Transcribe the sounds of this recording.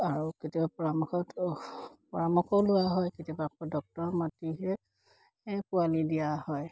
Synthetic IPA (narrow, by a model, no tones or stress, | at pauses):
aɹuketibapɔɹamuxɔt | pɔɹamuxɔlʊwaɦɔjketiɔbapɔdɔk̚tɔɹmatiɦɛ | ɛkualidijahɔj